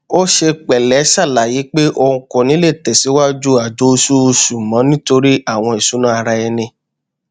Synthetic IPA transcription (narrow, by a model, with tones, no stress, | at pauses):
o˦ʃe˧k͡pɛ˨lɛ˨˦sa˦˨la˨˦ji˨˦k͡pe˦ʔo˧ɾũ˧kɔ̃˨nĩ˨˦le˦˨tɛ˨si˨˦wa˦d͡ʒu˦a˨d͡ʒo˨˦˧su˦˧su˨mã˨˦nĩ˦to˧ɾi˦ʔa˦˨w̃ɔ̃˧i˨su˨˦nã˦a˧ɾa˧ɛ˧nĩ˧